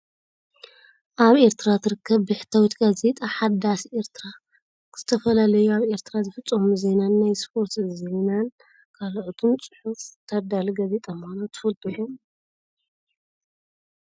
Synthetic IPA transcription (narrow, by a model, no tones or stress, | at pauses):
ʔaβe̞ɾt̪ʰɨɾat̪ʰɨɾɨkʰːɐβbɨħɨ̥t̪ʰawit̪ɡaze̞t̪ʼaħad̪asʔe̞ɾt̪ʰɨɾa | kʰɨz̥ɨt̪ʰɐfɐlalɐjuaβe̞ɾt̪ʰɨɾazɨfɨt͡sʼːɐmuze̞nanːajspʰo̞ɾt̪zenan | kʰaloʔt̪ʰunt͡sʼɨħuft̪ʰɐd̪alɡɐze̞t̪ʼɐmanot̪ʰɨ̥fɐlt̪ʼulum